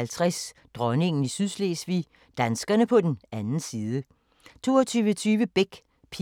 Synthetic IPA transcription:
ælt͡sʰʁas | d̥ʁɒne̝ŋn̩isyðˠsleːsʋḭ | d̥ænsɡ̥ɐnəpʰɒ̽d̥enænn̩siːðˠə | t͡sʰo̝ːɐt͡sʰyːʋət͡sʰyːʋəb̥eɡ̥ | pʰi

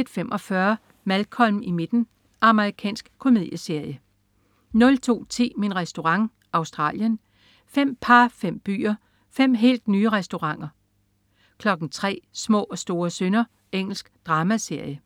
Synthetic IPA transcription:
ed̥femʔɒ̽fɶɐ | mælkʰɒ̽lm̩ime̝d̥n̩ | ʔɑ̈məʁikʰɛ̰ːnsɡ̥kʰo̝með̰ˠjəse̝ɐ̰jə | nɔ̽lt͡sʰo̝̰ːt͡sʰe̝̰ːminʁɛsd̥o̝ʁɑ̈ŋ | ɑ̈ʊsd̥ʁɑ̰̈ːljən | fem̰pʰɑ̈fem̰b̥y̰ːɐ | fem̰ɦe̝̰ːld̥nyːəʁɛsd̥o̝ʁɑ̈ŋ̰ɐ | kʰlɒ̽ɡ̥n̩t͡sʰʁɛ̰ːsmɔ̰̽ːɒ̽sd̥o̝ːɐsønɐ | eŋ̰l̩sɡ̥d̥ʁɑ̈ːmæse̝ɐ̰jə

